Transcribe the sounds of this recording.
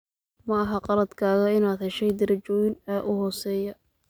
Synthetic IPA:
mɐɐɦɐqɑlɐd̪kʰaːɣɐɪnaːd̪hɛʃɛjd̪ɐɾɐt͡ʃɔːjɪnɛʔʊhɔːsɛːjɐ

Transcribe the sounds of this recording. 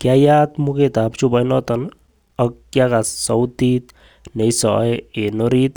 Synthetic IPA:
kjajat̪muket̪apt͡ʃubajnɔt̪ɔn | əkːjakasɔwt̪it̪ | nejsɔjenɔɾit̪

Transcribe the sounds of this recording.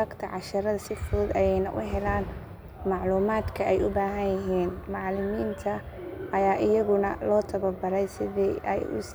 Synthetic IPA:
ɐɡt̪ʰɐʕɑʃɐɾɐðɐsɪfʊʊd̪ɐjɛjnɐ̰ʔʊ̰ɦɛlaːn | mɑʕluːmaːd̪kʰɐɛjʊbaːɦɐnjɐɦiːnmɑʕlɪmiːnt̪ʰɐʔɐjaːʔɪjɐɣʊnɐlɔːt̪ʰɐβɐbɐɾɛjsɪðɛʔɛ̰jʊ̰s

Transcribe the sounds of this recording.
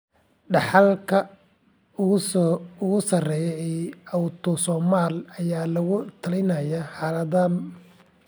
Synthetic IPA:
ɖɑħɑlkʰɐ | ʊɣʊɣʊsɐrɛːjɛɛjɐwt̪ʰɔsɔːmaːlɐjaːlɐɣʊt̪ʰɐlɪjnɐjaħɑːlɐðaːn

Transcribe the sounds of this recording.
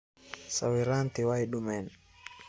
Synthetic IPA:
sa̰wiɾant̪iwajɗumɛn

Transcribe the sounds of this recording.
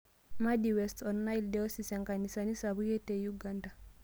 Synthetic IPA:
madiwɛstɔnːaildɛɔsisɛŋɡanisanisaβujɛtɛjuɡanda

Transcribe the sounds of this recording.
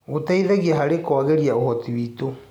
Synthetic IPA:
otaiðɛɣiaɦaɾekwaɣeɾiaohɔtiwiːto

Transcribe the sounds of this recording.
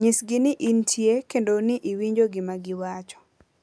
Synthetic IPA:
ɲɪsɡɪnɪʔintʰjekendonɪʔiwiɲd͡ʒoɡɪmaɡɪwat͡ʃɔ̥

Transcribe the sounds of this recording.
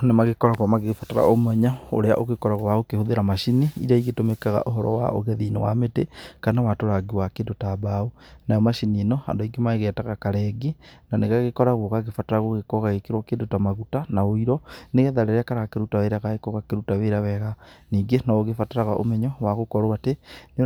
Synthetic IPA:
nemaɣekɔɾaɣwɔmaɣeɣfataɾa̰omɛɲao̰ɾea̰ʔoɣekɔɾaɣɔwaɣokehoðeɾamaʃiniḭɾaiɣetomekaɣa̰ʔoɦɔɾɔ̰wa̰o̰ɣɛðinowa̰metekanawatoɾaɡiwakeːndotabaonajɔmaʃininɔha̰ndoiɡemaeɣɛːtaɣakaɾɛɡenaneɣaɣekɔɾaɣoɣaɣefataɾaɣoɣekɔɣaɣekeɾwɔkeːndotamaɣutanaoiɾɔneɣɛðaɾeɾeakaɾaɣakeɾutaweɾaɣaɣekɔɣakeɾutaweɾaβɛɣaniːŋɡenɔoɣefataɾaɣaʔo̰mɛɲɔwaɣokɔɾoatene

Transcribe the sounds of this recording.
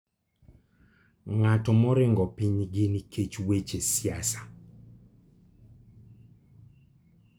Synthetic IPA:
ŋatɔmɔɾɪŋɡɔpiɲɡɪniket͡ʃwet͡ʃesjasḁ

